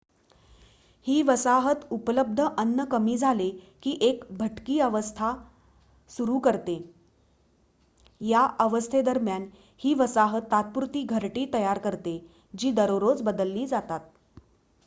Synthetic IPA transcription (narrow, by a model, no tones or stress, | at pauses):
hiːʋəsaɦət̪upələb̚d̪ʱəʔənːəkəmiːd͡zʱale | kiːʔekbʱəʈkiːəʋəst̪ʰa | suɾuːkəɾt̪e | jaʔəʋəst̪ʰed̪əɾmjan | hiːʋəsaɦət̪ːat̪̚puɾt̪iːɡʱəɾʈiːt̪əjaɾkəɾt̪e | d͡ʑiːd̪əɾoɾot͡sbəd̪əlːiːd͡zat̪at̪̚